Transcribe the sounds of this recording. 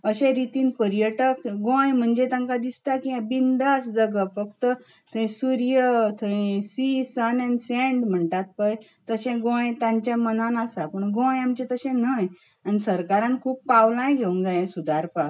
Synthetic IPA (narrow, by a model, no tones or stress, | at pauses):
əɕẽɾit̪iːnpəɾjəʈəkɡõjm̤əɳd͡ʑet̪ãŋkad̪ist̪akiãbind̪asd͡zəɡəfəkt̪ə | t̪ʰə̃ĩsuɾjət̪ʰəẽsisənɛnsẽɳɖm̤əɳʈ̪at̪̚pəj | t̪əɕẽɡõjt̪ãɲt͡ɕãmənanasapəɳɡõjamt͡ɕet̪əɕẽnəj | anisəɾkaɾãnkʰuːpːawlãjɡʱeũŋd͡zajẽsud̪ʱaɾpa